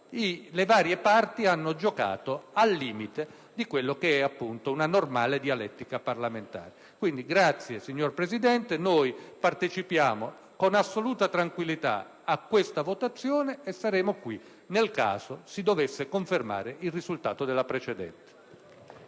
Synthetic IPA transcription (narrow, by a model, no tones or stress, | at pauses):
ilevaːɾjepart̪ianːod͡ʒoka̰ːt̪oalːiːmit̪e | d̪ikwelːokeɛapːunt̪ounanormaːled̪ialɛt̪ːikaparlament̪a̰ːɾe | kwind̪iɡɾat̪sːjesiɲːorpɾesid̪ɛnt̪enojpart̪et͡ʃipjaːmo | konasːoluːt̪at̪ɾaŋkwilːit̪a̰ | akːwest̪avot̪at̪sːjoːneːsːaɾɛːmokwi | nelka̰ːz̥osid̪ovesːekoɱferma̰ːɾeilrizult̪aːt̪od̪ɛlːapɾet͡ʃɛd̪ɛ̰nt̪e̥